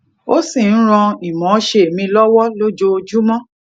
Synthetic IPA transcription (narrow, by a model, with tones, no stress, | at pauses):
o˦si˦˨n̩˦ɾ̃ɔ̃˧i˨mɔ̃˨˦ʃe˦e˨mĩ˧lɔ˦wɔ˦lo˦d͡ʒo˧d͡ʒu˦mɔ̃˦